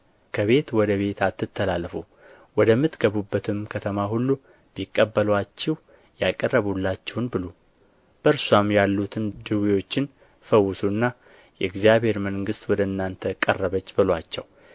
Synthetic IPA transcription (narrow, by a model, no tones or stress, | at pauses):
kʰəβe̞t̪wɔd̪əβe̞t̪ʰat̪ːɨt̪ʰːəlalːəfu | wɔd̪əmːɨt̪ɡəβubːət̪ʰɨmkʰət̪ʰəmaɦulːu | b̥ikʼːəbːəlwat͡ʃːɛw | jakʼərːəβulːat͡ʃːɛwnbɨlo | b̥əɾswamjalːut̪ʰɨnd̪ɨwijo̞t͡ʃːɪn | fəwːʊsuɨnːa | jɛɨɡzjaβhe̞ɾməŋɡɨst̪wɔd̪əɨnːant̪ʰəkʼə̰rːəβət͡ʃːbɨlwat͡ʃːɛw